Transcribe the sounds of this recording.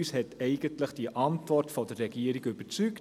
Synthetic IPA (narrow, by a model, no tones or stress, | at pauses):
yshɛtɛɪɡəntləχd̥iʔɑntvɔrtfɔdərːɛɡiəɾikybət͡syk